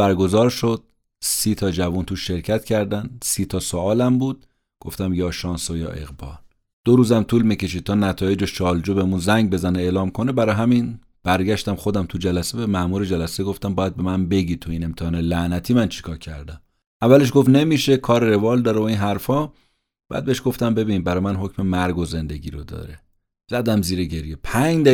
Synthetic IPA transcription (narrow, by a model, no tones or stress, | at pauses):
bæɾɡo̞zɒːɾʃod̪̥̚ | siːt̪ʰɒːd͡ʒævuːnt̪uːʃːe̞ɾcʰæt̪cʰæɾd̪ænsiːt̪ʰɒːsoɒːlæmbuːd̪̥̚ | ɡ̥o̞ft̪æmjɒːʃɒːnsojɒ̰ːʔe̞̰ɣbɒ̰ːl | d̪̥oɾuːzæmt̪ʰuːlmice̞ʃ̬id̪̚t̪ʰɒːnæt̪ʰɒːje̞d͡ʒoʃt͡ʃʰɒːld͡ʒubemunzæŋɟbe̞zæneeːlɒːmkʰo̞nebæɾɒːɦæmin | b̥æɾɡæʃt̪æmχo̞d̪æmt̪ʰud͡ʒælæsebemæʔmuːɾe̞d͡ʒælæseɡo̞ft̪æmbɒːjæd̪̚be̞mænbe̞ɟit̪ʰoiːne̞mt̪ʰehɒːnelæʔnæt̪ʰiːmænt͡ʃʰi̥kʰɒːcʰæ̰ɾd̪æm | ʔævːæle̞ʃ̬ɡo̞ft̪ne̞miːʃe̞kʰɒːɾeɾe̞vɒːld̪ɒːɾeoiːnɦæɾfɒː | b̥æ̰ːd̪̚beeʃɡ̥o̞ft̪æmbe̞biːnibæɾɒːjmænɦo̞cʰmemæɾɡoze̞nd̪e̞ɟḭːɾod̪ɒ̰ːɾe | z̥æd̪æmziːɾeɟe̞ɾjepʰæɲd̪æ